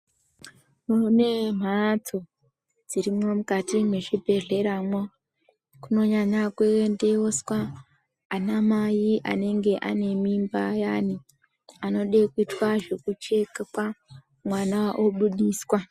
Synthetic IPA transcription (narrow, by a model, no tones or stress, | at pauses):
nune̞m̤atʰo | d͡ziɾimomukatimeʃibʱe̞re̞ɾamwo | kuno̞ɲaɲakweendeoswa | anamajiʔa̰ne̞ŋɡe̞ʔa̰ne̞mimbajaːni | ano̞ɗekuitwaʐe̞kut͡ʃe̞kakwa | mwanawaʔoɓuɗiːswa